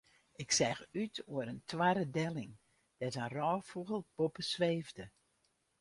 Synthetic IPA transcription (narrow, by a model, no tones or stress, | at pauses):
ɪksɛxytʰuəɾəntʰwaɾədɛlɪŋ | d̥ɛtənrɔːfuɣəlˠb̥opəsʋeːvdə